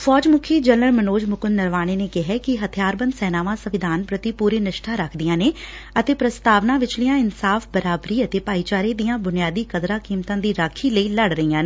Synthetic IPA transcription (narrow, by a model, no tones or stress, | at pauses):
fʰɔːd͡ʒmʊkʰiːd͡ʒələɾmənoːd͡ʒmʊkʊnːəɾʋaːɽ̃eːneːkɪɦɛːkɪɦət̪ʰɪjaːɾbə̃nd̪sɛːnaːʋãːsəʋɪd̪ʱaːnpɾət̪iːpuːɾeːnɪʃʈʰaːɾəkʰd̪ijãːneː | ət̪eːpɾəst̪aːʋnaːʋɪt͡ʃlɪjãːɪnsaːfbəɾaːbɾiːət̪eːpaːiːt͡ʃaːɾeːd̪ijãːbʊnɪjaːd̪iːkəd̪ɾaːkiːmt̪ãːd̪iːɾaːkʰiːləiːləɽɾəijãːneː